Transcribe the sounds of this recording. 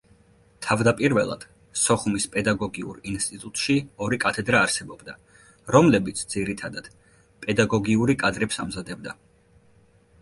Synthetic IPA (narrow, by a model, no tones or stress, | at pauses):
t̪ʰavd̪apʼiɾvɛlˠa̰d̪̥ | sɔχumispʼɛd̪aɡɔɡiṵɾinst̪ʼit̪ʼut̪ʼʃiɔɾikʼat̪ʰɛd̪ɾaːɾsɛbɔbd̪a | ɾɔmlɛbit̪sʰd̪ziɾit̪ʰad̪ad̪̥ | pʼɛd̪aɡɔɡiuɾikʼad̪ɾɛpsamzad̪ɛbd̪a